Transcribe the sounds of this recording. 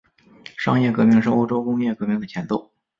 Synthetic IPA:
ʂɑ˥˧ŋjɛ˥˩kɤ˧˥mi˥˧ŋʂɻ̩˥˩˧o˥ʊʈ͡ʂo˥ʊkʊ˥ŋjɛ˥˩kɤ˧˥mi˥ŋd̪ə˩t͡ɕʰjɛ˧˥nt̪o˥˩ʊ

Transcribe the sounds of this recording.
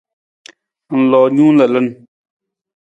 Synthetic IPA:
lɔː˨ɲũː˦nə˨lə˦n

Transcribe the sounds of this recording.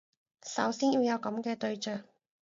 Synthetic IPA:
sɐ˨˥wsiː˥njiː˧wjɐ˨˧wkɐ˨˥mkɛː˧t̪ɵ˧ɥt͡ʃœː˨ŋ̚

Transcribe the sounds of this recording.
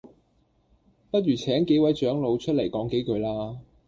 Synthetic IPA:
pɐ˥t̚ɥyː˨˩t͡sʰɛː˨˥ŋke˨˥jwɐ˨˥jt͡ʃœː˨˥ŋlo˨˧wt͡ʃʰɵ˥t̚le˨˩jkɔː˨˥ŋke˨˥jkɵ˨˧ɥlaː˥

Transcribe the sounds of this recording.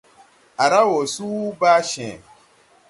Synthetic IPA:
a˨ɾa˦wo˨su˦ba˦ʃɛ̃˨

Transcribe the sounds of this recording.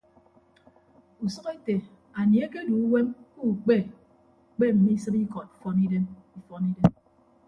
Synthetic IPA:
u˨sɔ˦ke˦te˨ | a˨ni˨e˦ke˦du˨u˦we˦mku˦˨k͡pe˦˨ | k͡pe˦m̩˨mi˦i˦sɨ˦pi˦kɔ˨ti˨fɔ˦ni˦de˦mi˦fɔ˦ni˦de˦m

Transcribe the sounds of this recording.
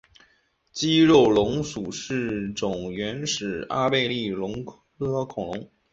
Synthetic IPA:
t͡ɕi˥ɻo˥˩ʊlʊ˧˥ŋsu˨˩ʂɻ̩˥˩ʈ͡ʂʊ˨˩ŋɥɛ˧˥nʂɻ̩˨˩a˥pe˥˧ɪli˥˩lʊ˧˥ŋkʰ | ɤ˥kʰʊ˨˩ŋlʊ˧˥ŋ

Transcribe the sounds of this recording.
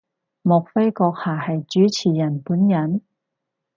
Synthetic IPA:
mʊ˨k̚fe˥jkɔː˧k̚haː˨˩hɐ˨jt͡ʃyː˨˥t͡sʰiː˨˩jɐ˨˩npuː˨˥njɐ˨˥n

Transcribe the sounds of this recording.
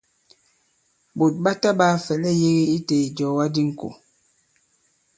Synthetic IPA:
bo˨t̚ɓa˦ta˦baː˦˨fɛ˨lɛ˦je˦ɣe˦i˦te˨d͡ʒɔ˨wa˦di˦ŋ̩˨ko̰˨

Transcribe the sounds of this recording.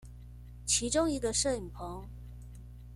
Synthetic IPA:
t͡ɕʰi˧˥ʈ͡ʂʊ˥ŋi˧˥ɡə˧ʂɤ˥˩i˨˩ŋpʰɤ˧˥ŋ

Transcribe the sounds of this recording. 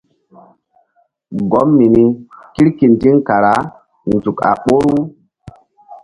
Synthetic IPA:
ɡo˨˦mːi˨ni˦ki˦ɾki˨ndi˦ŋka˨ɾa˨˦ | n˨zu˨ka̰˨ɓo˦ɾu˦

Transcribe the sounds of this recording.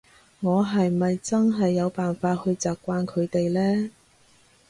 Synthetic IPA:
ŋɔː˨˧ɦɐ˨jmɐ˨jt͡sɐ˥nɦɐ˨jːɐ˨˧wpaː˨nfaː˧t̚hɵ˧ɥt͡saː˨p̚kʷːaː˧nkʰɵ˨˧ɥt̪e˨jlɛː˥

